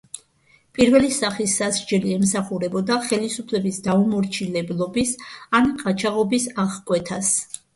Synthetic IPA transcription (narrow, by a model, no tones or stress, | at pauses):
pʼiɾvɛlisaχisːazɾd͡ʒɛliɛmsaχuɾɛbɔd̪aχɛlisupʰlɛbisd̪aumɔɾt͡ʃʰilɛblˠɔbisanqʼat͡ʃʰaʁɔbisaʁkʼwɛt̪ʰas